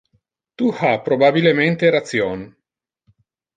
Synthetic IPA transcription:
t̪uhapɾobabilement̪eɾat̪sjɔn

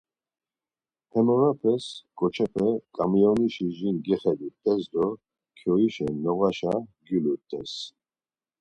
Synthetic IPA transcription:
hɛmɔɾapʰɛskʼɔt͡ʃʰɛpʰɛkʼamiɔniʃiʒinɡɛχɛd̪it̪ʼɛzd̪ɔ | kʰjɔiʃɛnɔɣaʃaɡylut̪ʼːɛs

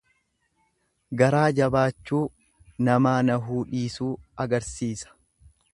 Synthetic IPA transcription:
ɡɐɾaːd͡ʒɐbaːt͡ʃːuː | nɐmaːnɐɦuːᶑiːsuːɐɡɐɾsiːsɐ̥

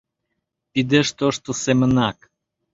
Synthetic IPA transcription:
t̪id̪eʃt̪oʃt̪osɛmənak

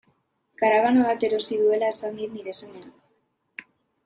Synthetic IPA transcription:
kaɾaβanoβat̪e̞ɾo̞siðue̞laesand̪it̪̚niɾe̞semea

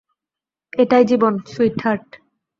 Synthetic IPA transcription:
eʈajd͡ʑibonsujʈʰːaɾʈ

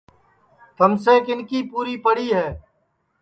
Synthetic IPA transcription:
t̪ʰəmseːkɪnkiːpuːɾiːpəɽiːɦɛː

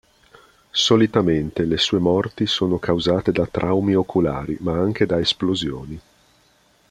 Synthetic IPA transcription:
solit̪ament̪elesuːemɔrt̪isoːnokawzaːt̪ed̪at̪ɾʔawmiokʰula̰ːɾḭmaaŋk̟ed̪aesplozjoːni

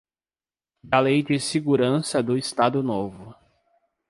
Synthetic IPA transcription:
d̪alejd͡ʒɪsɪɡuɾɐ̃sɐd̪ʊɪst̪ad̪ʊnovʊ

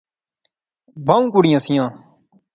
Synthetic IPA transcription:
bʱaːũːkuɽɪjãːsɪjãː

